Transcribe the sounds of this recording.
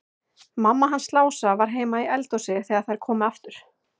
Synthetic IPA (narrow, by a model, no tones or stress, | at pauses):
mamːaɦanslaːwsavaɾ̥ɦeːjmaiɛlt̪ɔsɪθɛːɣaðθajɾ̥kʰɔːmʏaft̪ʏɾ̥